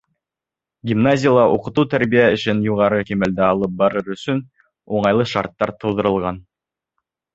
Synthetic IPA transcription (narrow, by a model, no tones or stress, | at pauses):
ɡʲimnazʲɪjalˠɑʔuqɤ̆t̪ut̪æɾβijæɘ̆ʃɘnjuʁɑɾɤkimæld̪æɑlˠɤp̚bɑɾɤɾɵ̆sɵn | uɴɑjlˠɤʃɑ̰ɾt̪ːɑɾt̪ʰɤ̆wðɤ̆ɾɤ̆lˠʁɑn